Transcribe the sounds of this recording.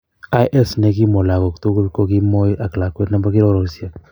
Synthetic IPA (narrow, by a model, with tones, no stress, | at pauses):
a˦jʔe˦sne˦k̬i˦mo˨la˨ko˨kt̪u˦ku˦ko˦ki˦mo˦ja˨kla˨kwe˦tna˦mba˦ki˦ɾo˦ɾo˨sja˨